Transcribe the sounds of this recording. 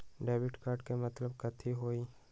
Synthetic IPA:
ɖeːbɪʈkaːɾɖkemɐt̪ləbkɐt̪ʰiɦoːi

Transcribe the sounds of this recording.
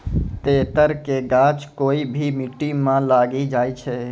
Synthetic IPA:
t̪eːt̪əɾkeɡaːt͡ʃkoːibʱimɪʈːimãlaːɡid͡ʒaːit͡ʃʰɛː

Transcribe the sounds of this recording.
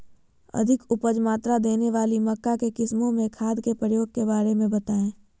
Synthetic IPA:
ɐ̰d̪ʱɪkʊpəd͡ʒmaːt̪ɾad̪eːneʋaːlimɐkːakekɪsmõmẽkʰaːd̪ʱkepɾəjoːɡ̚kebaːɾemẽbɐt̪aːẽː

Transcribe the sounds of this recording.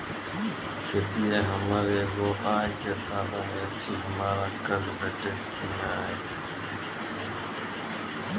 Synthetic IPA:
kʰeːt̪iːeːɦəmaːɾeɡoːʔaːjkeːsaːdaːɦeːt͡ʃʰiːɦəmaːɾaːkəlbeːʈe | kiːnaːɦeː

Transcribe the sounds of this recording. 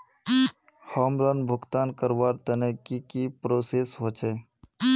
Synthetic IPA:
hɔmɾənbʱʊɡt̪aːnkəɾʋaːɾt̪ənekikipɾoːseːsɦot͡ʃʰe

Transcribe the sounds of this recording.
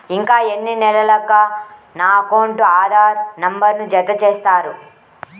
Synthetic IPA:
iŋkaːenːinɛlɐlɐkːɐnaːkoːɳʈuaːd̪ʱaːɾnɐmbɐɾnud͡ʒɐd̪ːɐt͡ʃeːst̪aːɾu

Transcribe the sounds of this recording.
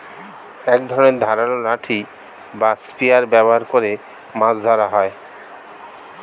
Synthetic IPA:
ɛkd̪ʱɔɾoneɾd̪ʱaɾalolaʈʰi | baspiaɾbɛboɦaɾkoɾe | mãsd̪ʱaɾaɦɔe

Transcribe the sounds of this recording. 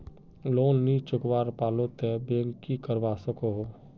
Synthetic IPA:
loːnːit͡ʃʊkʋaːɾpaːlot̪ebeːŋːikəɾʋaːsəkoɦo

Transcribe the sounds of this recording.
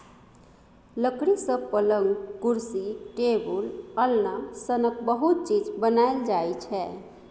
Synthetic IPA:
ləkɾisəpələŋɡkuɾsiʈebuləlnasənək̚bəɦut̪̚t͡ʃid͡ʒbənajld͡ʒajt͡ʃʰɛ

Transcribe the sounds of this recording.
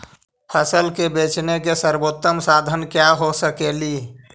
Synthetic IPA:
pʰəsəlkebet͡ʃnekesəɾbot̪ːəmsad̪ʱənkjaɦosəkeli

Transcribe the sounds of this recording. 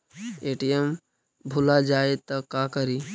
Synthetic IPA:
eːʈijem | bʱulad͡ʒaːet̪ɔkaːkəɾiː

